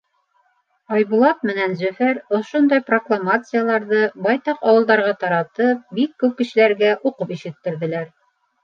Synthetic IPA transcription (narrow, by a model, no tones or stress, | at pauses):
ɑjβulˠɑt̪̚mɘ̆nænzɵ̆fæɾŏʃond̪ɑjproklˠamat̪sɨjalˠɑɾðɤbɑjt̪ɑqɑwɤ̆lˠd̪ɑɾʁɑt̪ɑɾɑt̪ɤp̚bikːʉp̚kɘ̆ʃɘ̆læɾɡæʔuqɤpiʃɘ̆t̪ːɘ̆ɾðɘ̆læɾ